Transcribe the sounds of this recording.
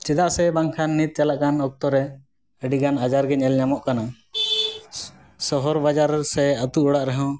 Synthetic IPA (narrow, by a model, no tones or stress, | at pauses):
t͡ʃid̪aʔsɛbaŋkʰanːit̪̚t͡ʃalaʔkanɔk̚t̪ɔɾɛ | əɖiɡanad͡ʒaɾɡɛɲɛlɲamɔʔkana | sɔɦɔɾbad͡ʒaɾsɛət̪uʔɔɽaʔɾɛɦɔ̃